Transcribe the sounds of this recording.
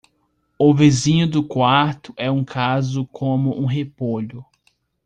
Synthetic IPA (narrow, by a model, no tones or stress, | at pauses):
ʊvizĩɲʊd̪ʊkwaɾt̪ʊʔɛũkʰazʊkʰõmʊʔũɦepoʎʊ